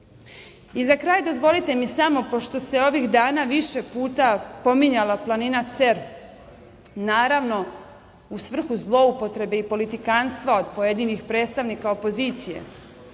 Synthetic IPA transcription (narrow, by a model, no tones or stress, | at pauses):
izakɾaːjd̪o̞zʋo̞lit̪e̞misamo̞po̞ʃt̪o̞se̞o̞ʋixd̪aːnaʋiʃe̞puːt̪apo̞miɲalaplˠaninat̪se̞ɾ | naːɾaʋno̞ | usʋr̩xuzlˠo̞upo̞t̪ɾe̞be̞ipo̞lit̪ikaːnst̪ʋao̞d̪po̞jed̪inixpɾeːt̪st̪aʋnikao̞po̞ziːt̪sijḛ